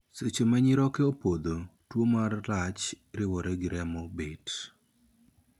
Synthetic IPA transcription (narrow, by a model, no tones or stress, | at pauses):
set͡ʃomaɲɪɾɔkeopod̪otwomarlat͡ʃ | ɾɪwɔɾeɡɪɾɛmobet